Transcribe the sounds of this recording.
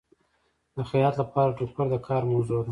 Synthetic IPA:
d̪əxajɑt̪lapɑɾaʈupaɾd̪əkʰɑɾmawzod̪a

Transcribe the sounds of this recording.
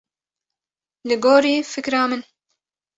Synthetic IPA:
lɨɡoːɾiːfɨkɾɑːmɨn

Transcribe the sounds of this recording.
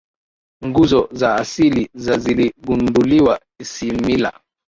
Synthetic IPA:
ŋɡuzɔzaːsilizaziliɡunduliwa | isimila̰

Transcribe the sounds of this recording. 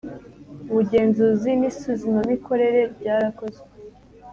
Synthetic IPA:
uβuɟe̞ːnzuzimisuzimomiko̞ɾe̞ɾe̞bɟaːɾakoze

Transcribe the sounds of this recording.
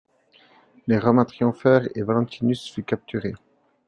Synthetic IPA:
leʁɔmɛ̃t̪χijɔ̃fɛːʁevalɑ̃t̪inysfykap̚t̪yʁe

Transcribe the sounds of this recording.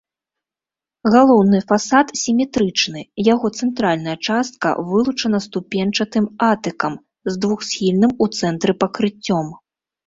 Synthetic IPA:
ɣalˠɔwnɨfasat̪sʲimʲɛt̪ɾɨt͡ʂnɨjaɣɔt̪sɛnt̪ɾalʲnɐjɐt͡ʂast̪̚kɐ̰vɨlˠut͡ʂɐnɐst̪upʲɛnt͡ʂɐt̪ɨmat̪ɨkɐm | zd̪vuxsʲxʲilʲnɨmut̪sɛnt̪ɾɨpɐkɾɨt͡sʲːɔm

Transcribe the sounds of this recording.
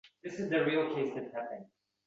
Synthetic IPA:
ðɪsɨzðɨɹilˠkʰeɪsðɨt̚hæpɪ̃ŋ

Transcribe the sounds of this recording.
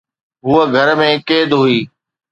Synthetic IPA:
ɦuːəɡʱəɾmẽːkeːd̪ɦʊiː

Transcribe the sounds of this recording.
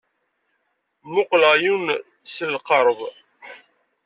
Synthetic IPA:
mʊqləʁjun | səlqəɾˤv

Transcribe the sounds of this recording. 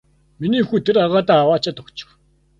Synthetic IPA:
miniːɵxuːt̪ʰeɾaʁaːt̪aːwaːt͡ɕʰat̪ɔkt͡ɕɪ̥̆w

